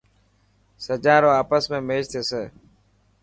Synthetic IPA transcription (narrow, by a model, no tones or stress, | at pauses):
səd͡ʒãːɾoːaːpəsmẽːmeːd͡ʒt̪ʰeːseː